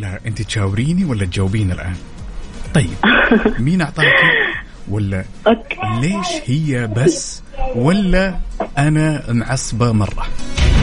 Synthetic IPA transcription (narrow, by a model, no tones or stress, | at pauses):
laʔɪnt̪it̪ʃaːwɾiːniwalːat̪̚d͡ʒawːbiːnɪ̰lʔa̰ːnt̪ˤɑjːɪb̚miːnʔɑʕt̪ˤɑːki | walːa | leːʃhɪjːabasː | walːaʔanamʕɑsˤbamɑrˤːɑ̰